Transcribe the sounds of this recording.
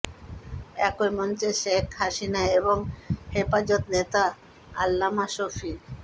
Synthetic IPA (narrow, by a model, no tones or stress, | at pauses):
ɛkoɾmɔnt͡ɕeʃekʰɦaʃinaeboŋhepad͡ʑot̪net̪a | a̰lːamaʃofiɾ